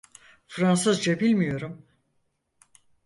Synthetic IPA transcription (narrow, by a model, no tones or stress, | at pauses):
fɾansɯzd͡ʒabilʲmijo̞ɾum